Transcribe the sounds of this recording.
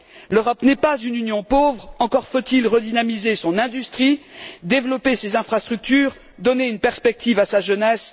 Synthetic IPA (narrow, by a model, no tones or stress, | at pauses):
løʁɔpnɛpazynynjɔ̃povʁɑ̃kɔʁfot̪ilʁəd̪inamizesɔ̃nɛ̃d̪yst̪χid̪evlɔpesezɛ̃fχast̪χyk̚t̪yːʁ | d̪ɔneynpɛʁspɛk̚t̪ivasaʒənɛs